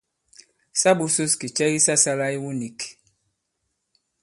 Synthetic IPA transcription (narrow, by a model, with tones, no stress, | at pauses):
sa˦bu˦su˦ski˨t͡ʃɛ˦ji˦sa˦sa˦la˦i˦wu˦ni˨k